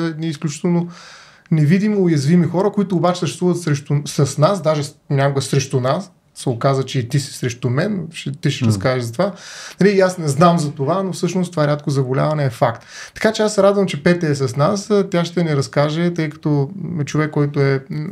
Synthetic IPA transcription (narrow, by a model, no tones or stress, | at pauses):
ɛd̪niːsklʲut͡ʃi̥t̪ɛlˠno | nɛvid̪imoːjɐzvimixɔɾəkoit̪oːbat͡ʃɛ̥səʃtɛst̪vuvət̪sɾɛʃt̪usɐsnasd̪aʒɛnʲakoɡəsɾɛʃt̪unas | sɛokazvət͡ʃɛit̪isi̥sɾɛʃt̪umɛnʃɛt̪iʃɛɾɐskaʒɛzɐt̪ovanɐliːasnɛznamzɐt̪ovanofsɤʃnost̪ovaɛɾʲat̪kozɐbolʲa̰vɐnɛːfakt̪t̪ːɐ̥kat͡ʃɛasɛɾad̪vɐmt͡ʃɛpɛt̪ɛːs̬ɐsnast̪ʲjaʃt̪ɛnɛɾɐskaʒɛt̪ɤjkɐ̥t̪oɛt͡ʃovɛkːɔjt̪ʊɛ